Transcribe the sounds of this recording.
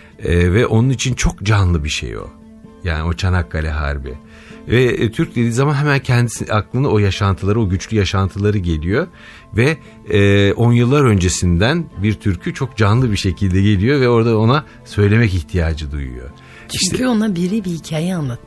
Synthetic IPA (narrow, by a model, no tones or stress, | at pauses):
ɛːvɛʔo̞nunit͡ʃʰint͡ʃʰo̞kd͡ʒanlˠɯbiʃḛjo̞̰ | ja̰ːnio̞t͡ʃʰanakːalʲɛɦa̰ɾbḭ | vɛt̪ʰyɾc̚d̪e̞d̪iːzamanɦɛmæncʰɛnd̪isiaklˠɯnao̞jaʃant̪ʰɯlˠaɾɯo̞ɟyt͡ʃlʲyjaʃant̪ʰɯlˠaɾɯɟe̞lʲijo̞ | vɛ | ɛːʔo̞njɯlˠːaɾø̞nd͡ʒe̞sind̪ænbiɾt̪ʰyɾcʰyt͡ʃʰo̞kd͡ʒanlˠɯbiʃecʰilʲd̪ɛɟe̞lʲijo̞vɛo̞ɾd̪ao̞na | sø̞jlʲe̞mɛciçt̪ʰijaːd͡ʒɯd̪ṵjṵjo̞̰ | t͡ʃʰiʃyonabiɾibihicʰaːjɛanlˠat̪